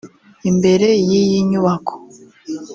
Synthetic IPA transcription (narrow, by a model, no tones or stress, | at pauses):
imbe̞ɾe̞jijiɲuβakʰo̥